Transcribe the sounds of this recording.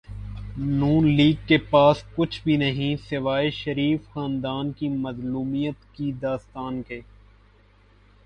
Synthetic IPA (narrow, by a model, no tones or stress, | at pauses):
nuːnliːɡ̚kepaːskʊt͡ʃʰbʱinɐɦĩsɪʋaːeʃəɾiːfxãːnd̪aːnkimɐzluːmijət̪kid̪aːst̪aːnkeː